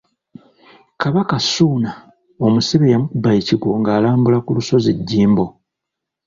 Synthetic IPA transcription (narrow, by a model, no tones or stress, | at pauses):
kaβakasuːna | omusiβejamukubajiciɡwo̞ŋɡaːlaːmbulakuluso̞ziɟːiːmbo̞